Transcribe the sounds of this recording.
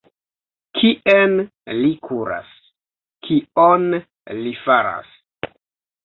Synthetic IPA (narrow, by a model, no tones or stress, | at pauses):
kʰiʔen | likʰuɾa̰s | kʰion | lifaɾa̰s